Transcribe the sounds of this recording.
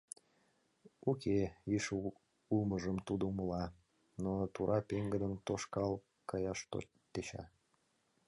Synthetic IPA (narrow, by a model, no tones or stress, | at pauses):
ukʰeiʃ | uməʒəmt̪ud̪əuməlɑ | not̪uɾʔɑpeŋɡəd̪ənt̪oʃkɑl | kɑjɑʃt̪o̰ | t̪et͡ɕɑ̰